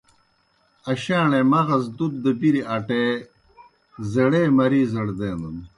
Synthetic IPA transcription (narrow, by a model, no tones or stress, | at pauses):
ɐɕaːɳemɐɣɐs̬d̪ut̪̚d̪əbiɾiaʈe | zɐɽeːmɐɾiːzɐɽd̪eːnd̪un